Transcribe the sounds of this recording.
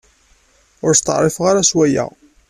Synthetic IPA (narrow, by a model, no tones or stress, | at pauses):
ʊɾst̪ə̰ʕrˤifʁaɾæswæjæ̰